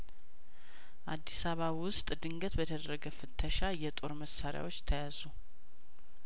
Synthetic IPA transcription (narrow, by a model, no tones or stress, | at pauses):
ʔad̪ːisaβaβwʊst̪ʼd̪ɨŋɡət̪bət̪ʰəd̪ɾəɡəfɨt̪ʰːəʃajɛt̪ʼo̞ɾməsːaɾja̰wo̞t͡ʃːt̪ʰəjazu